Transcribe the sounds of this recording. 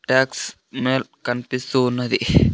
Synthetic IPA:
ʈaːks | meːlkɐnpist̪uːnːɐd̪i

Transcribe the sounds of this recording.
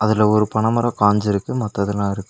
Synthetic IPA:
ɐðɪlɐɔɾɯpɐɳɐmɐɾɐkaːɲd͡ʒɪɾɯkːɯmɐt̪ːɐðɪnãːɪɾɯkːɯ̥

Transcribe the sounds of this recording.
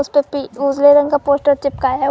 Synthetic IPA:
ʊspepiuːzleɾɐ̃ŋɡkapoːsʈəɾt͡ʃɪpkaɦɛ

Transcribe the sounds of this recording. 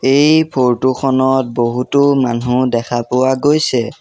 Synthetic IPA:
ejpʰoɹtuxʰɔnɔt̚boɦutʊmanudɛkʰapʊwaɡojsɛ

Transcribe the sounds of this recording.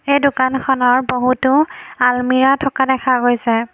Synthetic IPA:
ejdʊkankʰɔnɔɹboɦutʊalmiɹatʰɔkadɛkʰaɡojsɛ

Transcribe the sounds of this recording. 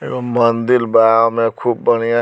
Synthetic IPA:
ḛəmmənd̪ilbajamekʰubːəñija

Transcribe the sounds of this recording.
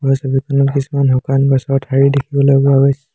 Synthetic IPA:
ɔsɔbikʰɔnɔkisumanɦɔkanbɔsɔɹtʰaɹidekʰibɔlɔbɔabɔs

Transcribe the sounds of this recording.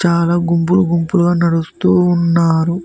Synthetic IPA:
t͡ʃaːlaːɡumpuluɡumpuluɡaːnɐɽust̪uːnːaːɾu

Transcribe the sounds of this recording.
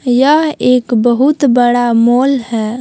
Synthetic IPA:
jəɦeːkbəɦut̪bəɽamoːlɦɛː

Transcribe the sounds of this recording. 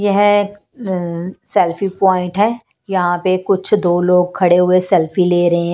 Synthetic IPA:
jɛɦ | sɛlfipɔːɪ̃ɳʈɦɛː | jɐɦãpekʊt͡ʃʰd̪oːloːɡ̚kʰɐɽeɦʊesɛlfileːɾɐɦẽ

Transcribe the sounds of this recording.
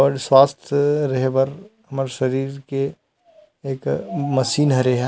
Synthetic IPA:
ɔːɾswaːst̪ʰɾɐɦebɐɾɦɐməɾʃɐɾiːɾke | eːkmɐsiːnɦɐɾeɦɛ̃

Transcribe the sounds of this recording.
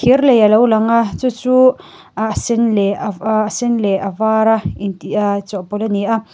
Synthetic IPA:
irlejalowlaŋat͡sut͡su | asenlesinleʔavaɾaint̪iʔat͡sɔʔpɔlaniʔa

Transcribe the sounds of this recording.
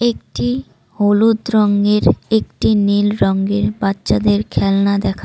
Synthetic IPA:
ek̚ʈi | holud̪ɾɔŋɡeɾek̚ʈinilɾɔŋɡeɾbatːʃad̪eɾkʰɛlnad̪ɛkʰa

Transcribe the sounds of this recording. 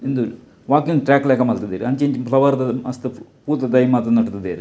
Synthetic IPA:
ind̪u | ʋaːkiŋɡʈɾʲaːkleːkɐmɐlt̪ɐd̪eɾiɐnt͡ʃeːɲt͡ʃipʰlɐʋɐɾd̪ɐɐst̪ɨpuːt̪ɐd̪ɐjimaːt̪ɐnɐʈt̪ɐd̪eːɾi

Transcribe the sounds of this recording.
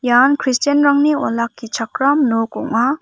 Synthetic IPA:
jankʰɾistanɾaŋniɔ̰lakːit͡ʃʰakɾamnoko̰ŋma

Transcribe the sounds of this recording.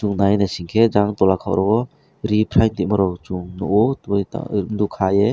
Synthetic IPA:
t͡ʃuŋnajnasiŋkʰed͡ʒaŋtɔlakʰawɾɔbɔ | ɾipʰɾajndiʔ̚mɔɾɔwt͡ʃuŋnɔɔa̰dukʰaje

